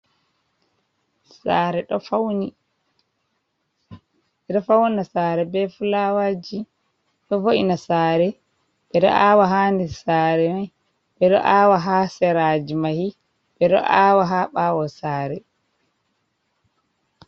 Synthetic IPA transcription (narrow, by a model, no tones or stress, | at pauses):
saːɾɛɗɔfawni | ɓɛɗɔfawnasaːɾɛbɛfulawad͡ʒi | ɗɔfoʔinasaːɾɛ | ɓɛɗɔ̰ʔawaɦandɛsaːɾɛmaj | ɓɛɗɔ̰ʔaːwaɦasɛɾad͡ʒimahi | ɓɛɗɔ̰ʔaːwaɦaɓaːwɔsaːɾɛ